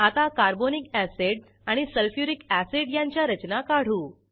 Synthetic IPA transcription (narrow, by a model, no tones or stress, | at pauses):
at̪akaɾbonikæseɖ | aɽ̃isəlfjuɾikæseɖjaɲt͡ɕjaɾət͡ɕnakaɽ̤uː